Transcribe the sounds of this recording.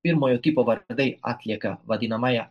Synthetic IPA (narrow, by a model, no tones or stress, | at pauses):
iɾmojot̪ipovaɾd̪eja̰t̪lʲjakavad̪inamaja